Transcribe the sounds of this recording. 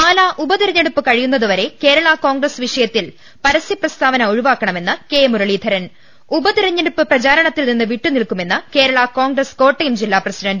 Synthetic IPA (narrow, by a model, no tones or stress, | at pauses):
aːlaʔubɐd̪iɾɐɲːɐɽupːɨkɐɻijunːɐðuʋɐɾe̞ke̞ːɾɐɭɐko̞ːŋɡrɐsʋiʂɐjɐt̪ːil | pɐɾɐsiprɐst̪ʰaːʋɐnɐuɻiʋaːkːɐɳɐme̞nːɨke̞ːmuɾɐɭid̪ʱɐɾɐn | ubɐd̪iɾɐɲːɐɽupːɨprɐt͡ɕaːɾɐɳɐt̪ːilninːɨʋiʈːunilkume̞nːɨke̞ːɾɐɭɐko̞ːŋɡrɐsko̞ːʈːɐjumd͡ʑilːaːprɐsiɖɐnɖ